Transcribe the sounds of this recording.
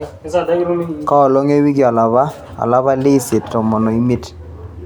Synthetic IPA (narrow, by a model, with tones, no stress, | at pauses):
kɔ˦ɔ˨lɔ˦ŋe˦wi˦ɡi˨a˨la˨βa˦ | a̰˨la˦βa˦lɪ˦se˨ttɔ˨mɔ˨nɔ˨i˦mi˦t